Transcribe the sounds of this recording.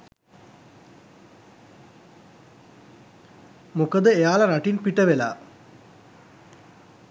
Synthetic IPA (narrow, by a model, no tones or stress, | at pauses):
mukəd̪əejaːlɐɾaʈinpiʈəʋela̰ː